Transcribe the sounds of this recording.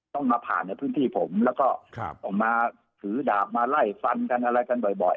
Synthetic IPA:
t̪ɔ˥˩ŋmaː˧pʰa̰ː˨˩nːa˧jpʰɯː˦˥˨nt̪ʰiː˥˩pʰo˩˦mlɛː˦˥wkɔː˥˩ʔɔː˨˩k̚maː˧ | sʰɯː˩˦daː˨˩p̚maː˧la˥˩jfa˧nka˧nʔa˧ɾa˧jka˧nbɔ˨˩jbɔ̰˨˩j

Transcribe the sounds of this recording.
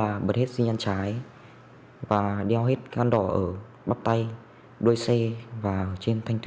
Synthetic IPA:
laː˨˩ɓə˨˩t̚he˦˥t̚zi˧ɲʔa˧nt͡ɕaː˨˦j | vaː˨˩ɗi˧wɦe˦˥t̚ʔaː˧nɗɔ˧˩ʔəː˧˩ | ɓaː˦˥p̚t̪a˧j | ɗu˧əjsɛ˧vaː˨˩ə˧˩t͡ɕi˧nt̪ʰa˧jŋ̟t̪w

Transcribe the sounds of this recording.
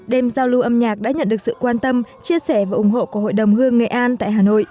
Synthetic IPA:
ɗe˧mzaː˧wlu˧ʔə˧mɲaː˨˩k̚ɗa̰ː˧˥ɲə̰˧˨nɗɨ˨˩ək̚sɨ̰˧˨kwaː˧nt̪ə˧mt͡ɕi˧əsɛ˧˩vaː˨˩ʔʊ˧˩ŋ͡mɦo̰˧˨ku˧˩ɦo̰˧˨jɗə˨˩wŋ͡mhɨ˧əŋːḛ˨˩ʔaː˧nt̪a̰ː˧˨jɦaː˨˩no̰˧˨jʔ

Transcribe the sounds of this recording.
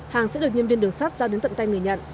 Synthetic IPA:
haː˨˩ŋsɛ̰˧˥ɗɨ˨˩ək̚ɲɨ˧ənvi˧ənɗɨ˨˩əŋsaː˦˥t̚zaː˧ɗe˨˦nt̪ə̰˧˨nt̪a˧jŋ˨˩əjɲə̰˧˨ʔ

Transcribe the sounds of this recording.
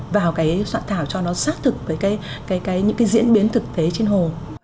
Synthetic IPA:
vaː˨˩wkaː˨˦jswa̰ː˧˨nt̪ʰaː˧˩wt͡ɕɔ˧nɔ˨˦saː˦˥k̚t̪ʰɨ˨˩k̚vəː˨˦jkaː˨˦j | kaː˨˦jkaː˨˦jɲɨ̰˧˥ŋkaː˨˦jzḭ˧˥ənɓi˨˦ənt̪ʰɨ˨˩k̚t̪ʰe˨˦t͡ɕe˧nɦo˨˩

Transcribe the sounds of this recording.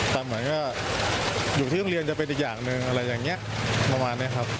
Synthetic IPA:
t̪ɛ˨˩mɯ˩˦ənkɔː˥˩ | juː˨˩t̪ʰi˥˩ɔ˥˩˧ɾi˧ənt͡ɕa˨˩pe˧ni˨˩k̚jaː˨˩ŋnɯ˧ŋʔa˧ɾa˧jːaː˨˩ŋni˦˥ɐʔpɾa˧maː˧nːi˦˥ɐkʰa˦˥p̚

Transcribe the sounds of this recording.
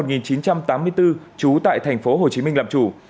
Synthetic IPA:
ŋi˨˩nt͡ɕi˨˦nt͡ɕa˧mt̪aː˨˦mːɨ˧əjt̪ɨ˧ | t͡ɕu˨˦t̪a̰ː˧˨jt̪ʰɛ˨˩ŋ̟fo˨˦ɦo˨˩t͡ɕi˨˦mï˧ŋ̟laː˨˩mt͡ɕu˧˩

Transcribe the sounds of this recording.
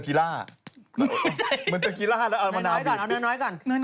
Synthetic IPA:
kiː˧˩laː˥˩˧ | mɯ˧˦nt͡ɕa˧˩kiː˧laː˥˩˨lɛ˦˥ʔa˧ma˧naː˧˥˦ka˧˨ʔa˧˨nː˧˥˩nɔː˦˥jka˧˩n˧˥

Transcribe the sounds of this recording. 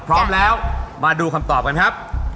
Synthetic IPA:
pʰɾɔː˦˥mlɛː˦˥wmaː˧duː˧kʰa˧mt̪ɔː˨˩p̚ka˧nkʰa˦˥p̚

